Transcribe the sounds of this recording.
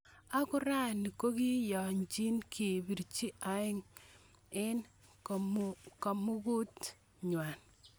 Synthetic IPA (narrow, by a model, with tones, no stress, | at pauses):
a˦kʊ˦ɾa˦ni˨ko˦ki˦jɔ˨ɲt͡ʃi˦nkʰi˨bi˨ɾt͡ʃi˦ʔa˨˦ɪ˦ŋ | ɪ˦n | ka˨mu˦ɡu˦t | ɲwa˨n